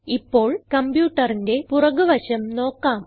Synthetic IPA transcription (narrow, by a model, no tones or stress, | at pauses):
ipːoːɭkɐmbjuːʈːɐrinde̞purɐɣuʋɐɕɐmno̞ːkːaːm